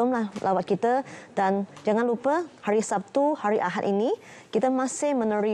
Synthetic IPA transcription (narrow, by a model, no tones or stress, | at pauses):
ʊmlahlʔawat̪̚kit̪ədand͡ʒaŋanlupəhaɾisap̚t̪uhaɾiʔaɦat̪ini | kit̪əmãsɪhmə̃nəɾi